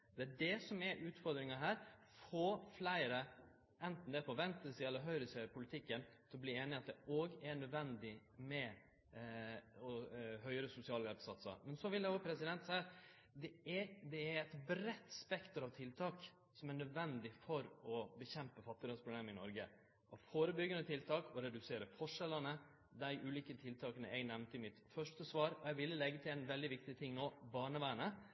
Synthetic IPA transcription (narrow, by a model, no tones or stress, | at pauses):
d̪̥ɛæɖɛsɔmæʔʉːt̪fɔɾd̪ɾɪŋɑɦæːɾ | foːflæɪɾə | ɛnt̪n̩d̪ɛpʰɔʋɛnt̪əsɪɛlːəɾɦœʏɾəsɪœʏpʰʊlɪt̪ʰɪkːənt̪ʰɪlbliːeːnɪɑt̪̚d̪ɛoːɡæɳœd̪ʋɛnd̪ɪmɛ | ɔɦœʏɾəsʊsɪɑːlɛpsɑt̪sə̰ɾmɛnsɔʋɪld̪ɛoːpʰɾɛsɪd̪ɛnt̪sæɪɑt̪ | d̪ɛæd̪ɛæɾɛɪt̪bɾɛt̪ːspɛkt̪əɾɑʋt̪ʰɪlt̪ʰɑːk | sɔmæɳœd̪ʋɛnd̪ɪfɔɾɔbəçɛmpəfɑt̪ːɪd̪ɑːspɾʊbleːməɪnɔɾɡə | ʔɔfoːɾəbʏɡənət̪ʰɪlt̪ʰɑːkɔɾɛd̪ʉseːɾəfɔʂɛlənə | d̪æɪʔʉːliːkət̪ʰɪlt̪ʰɑːkənə̰ʔɛɡnɛʋnt̪əɪmɪt̪fœʂʈəsʋɑːɾɔɛʋɪlːəlɛɡːət̪ʰɪlɛnʋɛld̪ɪʋɪkt̪ɪt̪ʰɪŋːnoːbɑːɳəʋæːnə